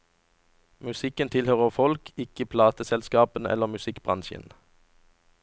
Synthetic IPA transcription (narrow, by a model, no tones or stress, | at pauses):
mʉsɪkənt̪ʰɪlhøːʁəʁfɔlkʰɪkəpʰlɑːt̪əsɛlskɑːpənɛ̰ləʁmʉsɪkbʁɑ̰nʃə̰n